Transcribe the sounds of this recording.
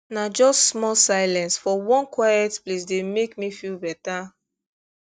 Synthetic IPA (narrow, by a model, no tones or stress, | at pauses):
nad͡ʒɔstsmɔlsaɪlɛ̃nsfɔwɔ̃nkwajɛtplis̬demekmifilbɛta